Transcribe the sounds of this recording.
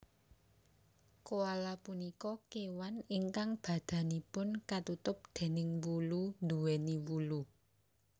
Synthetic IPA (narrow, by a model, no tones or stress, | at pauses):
koalapunikɔkewaniŋkaŋb̥ä̤d̪̥ä̤nipʊnkat̪ut̪ʊp̚d̪̥e̤nɪŋwulund̪uwɛniwulu